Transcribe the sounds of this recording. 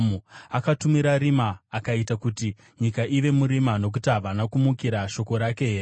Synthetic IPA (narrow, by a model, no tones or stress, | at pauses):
muakatumiɾaɾimaːkaitakuti | ɲikaʔiʋe̞muɾimano̞k̬utiɦaʋanakumukiɾaʃo̞ko̞ɾake̞ɦe̞re